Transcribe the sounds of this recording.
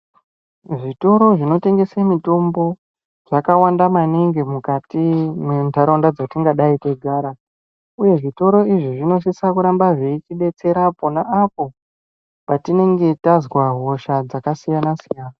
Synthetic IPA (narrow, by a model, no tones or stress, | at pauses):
ʐito̞ɾo̞ʐino̞te̞ŋɡe̞semito̞mbo̞ | ʐ̥akawandamaneŋɡemukatimwendaɾondad͡zatiŋɡaɗaiteɡʱaːɾa | uje̞ʐito̞ɾo̞iʐiʐino̞s̬isakuɾambaʐeit͡ʃiɗe̞t͡se̞ɾapo̞naʔapo̞ | patine̞ŋɡe̞tazwaɦo̞ʃad͡zakasijanasijaːna